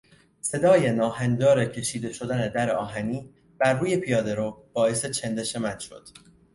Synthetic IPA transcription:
se̞d̪ɒːje̞nɒːhænd̪ɒːɾe̞cʰe̞ʃiːd̪e̞ʃo̞d̪æne̞d̪æɾeɒːɦæniː | b̥æɾːuːje̞pʰijɒːd̪e̞ɾob̥ɒːe̞se̞t͡ʃʰend̪e̞ʃemæt̪ʃo̞̰d̪̥

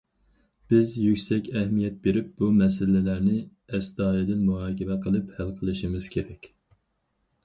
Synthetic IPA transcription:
b̥ɪzjykʲsɛkʲɛhmijɛt̪̚beɾɪp̚b̥umɛsɪlɪlæɾnɪ | ɛsd̪ɑːjɪd̪ɪnmuɦɑːkʲɪmɛqʰəlˠɨphælqʰəlˠɨʃimɪz̥kʲʰeɾɛkʲ

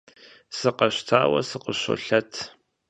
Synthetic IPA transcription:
sɨqɐɕtʰaːwɐ̰sɨqəɕʷo̰ɬɐtʰ

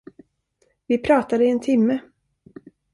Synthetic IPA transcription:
vɪpʰɾɑːt̪ad̪əɪɛnt̪ʰɪmːə

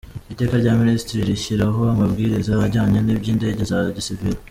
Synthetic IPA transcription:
ite̞ːkaɾɟaːminisitiɾiɾiʃiɾaɦo̞amabɡiːɾizaaɾɟaːɲenibɟiːnde̞ɟe̞zaɟisiviɾo

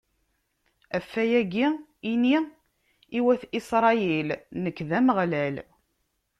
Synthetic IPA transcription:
æfːæjæɡiini | iwæθisɾˤɑjɛlnəkːðæməʁlæl

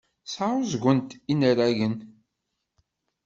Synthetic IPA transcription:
saɾˤʊzɡʷənt̪inəɾæʝən

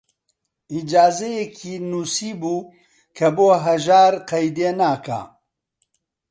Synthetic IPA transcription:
id͡ʒaːzɛjekʰiːnuːsiːbuː | kʰɐboːɦɐʒaːɾqɐjd̪eːnaːka̰ː

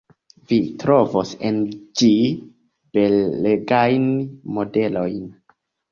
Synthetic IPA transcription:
vitɾo̞vosend͡ʒi | beleɡajnmo̞de̞lo̞jn

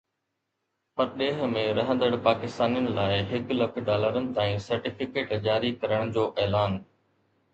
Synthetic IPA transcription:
pɐɾɗeːɦ̆mẽɾɐɦə̃nd̪əɽpaːkɪst̪aːnijənɪ̆laːɪɦɪklɐkʰɖaːləɾənɪ̆t̪aːĩsɐɾʈɪfɪkeːʈd͡ʑaːɾikɐɾəɽ̃d͡ʑoːʔɛːlaːn

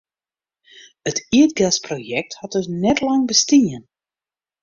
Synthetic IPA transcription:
ətiət̚ɡɛsprojɛk̚thɔt̚døsnɛtlɑŋbəstiən

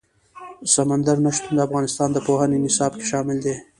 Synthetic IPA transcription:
samand̪aɾnaʃt̪und̪əafɣɑnɪst̪ɑnd̪əpohənenɪsɑbke̥ʃɑmɪld̪e

